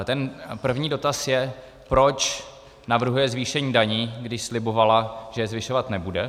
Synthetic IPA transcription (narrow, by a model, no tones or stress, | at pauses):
t̪ɛnpr̩vɲiːdo̞t̪asjɛ | pɾo̞t͡ʃ | navr̩ɦujɛzviːʃɛɲiːdaɲiːɡdɪʃslɪbo̞valaʒ̥ɛjɛzvɪʃovat̪nɛbudɛ